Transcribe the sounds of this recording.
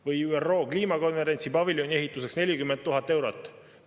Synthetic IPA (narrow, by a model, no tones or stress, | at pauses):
vɤjyːerːo̞ːkliːmɑko̞nve̞ɾe̞nʲsipɑviljonʲie̞ɦit̪ːˑus̬e̞ksne̞lʲikymːent̪ːuɦɑt̪ːˑe̞wɾot̪ːˑ